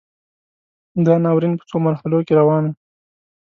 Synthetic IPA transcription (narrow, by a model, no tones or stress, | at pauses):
d̪ɑnɑwɾinpə̥t͡somaɾhalokeɾawɑn